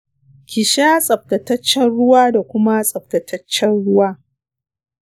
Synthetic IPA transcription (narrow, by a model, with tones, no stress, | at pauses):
kʲɪ˨ʃaː˦sʼɐ˨b̚tɐ˨tɐ˦t͡ʃːɛ˦nɽʊ˦waː˦da˨kʷʊ˦ma˦sʼɐ˨b̚tɐ˨tʰɐ˦t͡ʃːɛ˦nɽʊ˦waː˦